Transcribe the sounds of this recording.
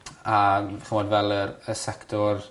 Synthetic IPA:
aχəmɔdvɛlˠəɾəsɛktʰɔr

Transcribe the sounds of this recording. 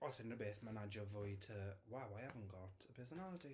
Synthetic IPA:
ɔsɪnrəbeːθmanad͡ʒɔvʊjtʰəwawajavə̃nɡ̥ɔtʰəpʰɜːsɔnalˠətʰi

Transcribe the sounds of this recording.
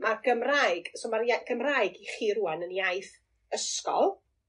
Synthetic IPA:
marɡ̥əmrajɡ̥soːmarjaɡ̥əmrajɡiχiːɾuːanənjajθ | əskɔ̰lˠ

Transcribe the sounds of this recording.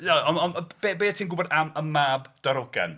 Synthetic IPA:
jaɔnɔnb̥ebeːatʰiːnɡʊbɔdaməmːaːbd̥aɾɔɡɛ̰n

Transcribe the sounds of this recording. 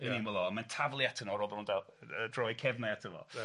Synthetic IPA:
ininwəlˠɔmantʰavlˠjatʰənɔɾɔðʊndalədrɔjkʰɛvnajatʰəvɔ̰

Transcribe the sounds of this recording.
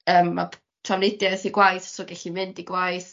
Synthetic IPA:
əːmːa̰ | tʰravnɪdjaθiɡwajθsɔɡɛɬimɪndiɡwajθ

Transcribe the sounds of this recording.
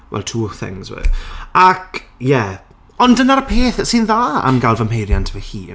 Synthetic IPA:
wɛ̰lˠtʰuːθɪ̰ŋzwɛ̰akʰjɛ | ɔndənaɾəpʰeːθəsɪnðaa̰nɡalˠvəmhejɾjantʰəvəhiː

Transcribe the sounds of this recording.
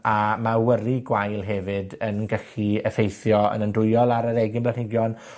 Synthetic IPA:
amawəɾiɡwajlˠɦɛvɨdənɡəɬiəfejθjɔə̰nəndʊjɔlˠaɾəɾɛɡɪnmblˠanɪɡjɔn

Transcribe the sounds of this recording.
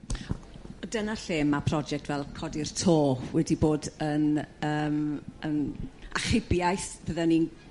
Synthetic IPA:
ɔdənaɬeːmːapʰrɔd͡ʒɛk̚tʰvɛlˠkʰɔdɪrtʰoːwɛdiboːdənəːmənaχɪbjajθb̥əðanin

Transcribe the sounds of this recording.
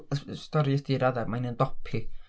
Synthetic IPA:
əstɔɾiəsd̥iɾaðarmajnəndɔpʰi

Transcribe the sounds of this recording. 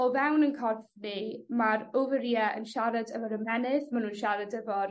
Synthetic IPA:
ɔvɛwnənkʰɔrfnɨmaɾovəɾjɛənʃaɾadəvɔɾəmɛnɪðmanuːnʃaɾadəvɔ

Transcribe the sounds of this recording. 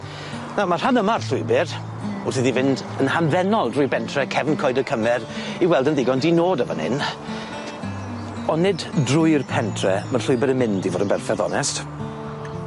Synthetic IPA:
nawmar̥hanəmarɬʊɨbɨr | ʊrθiðivɪnd | ənhanðɛnɔlˠdrʊɨrpʰɛntʰrɛkʰɛvənkʰɔːɨdəkʰəmɛɾiwɛlˠdənðɪɡɔndinoːdəvɔ̰nɪ̰n | ɔnɪddrʊɨrpʰɛntʰrɛmərɬʊɨbɨɾəmɪndivoːdənbɛrfɛðɔ̰nɛst

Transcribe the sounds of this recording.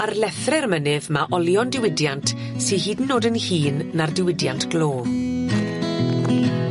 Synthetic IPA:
arlɛθrɛrmənɨvmaʔɔlˠjɔndɪwɪdjant | sihiːdn̩ːoːdənhiːnːardɪwɪdja̰ntʰɡ̥loː

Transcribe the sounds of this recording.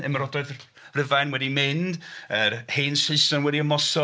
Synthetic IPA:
əmɾɔdɔɨð | rɪvajnwɛdimɪndərheːnsɪɨsɔnwɛdiəmɔsɔ

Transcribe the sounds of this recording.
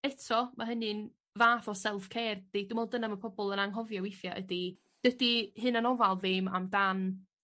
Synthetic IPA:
ɛtʰɔmʔaɦənɨn | vaːθɔsɛlˠfkʰeːrd̥edumɔlˠdənamapʰɔbɔlˠənaŋɦɔvjɔwɪθjaʔə̰di | d̥ədihɦɨnanɔvalˠvɪma̰mdan

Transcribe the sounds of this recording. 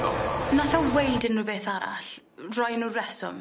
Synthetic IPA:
naɬɔwejdɪnubeːθaɾa̰ɬ | rɔjnuːrɛsɔ̰m

